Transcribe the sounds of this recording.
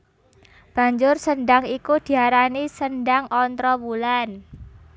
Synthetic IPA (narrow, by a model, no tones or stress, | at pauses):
b̥a̤ɲd͡ʒʊrsənɖaŋikud̪̥i̤aɾanisənɖaŋɔnt̪ɾɔbulan